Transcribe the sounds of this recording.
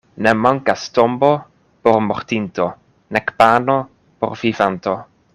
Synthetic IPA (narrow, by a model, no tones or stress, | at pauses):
nemaŋkastombo̞ | poɾmo̰ɾtinto̞ | nekpano | po̰ɾvivanto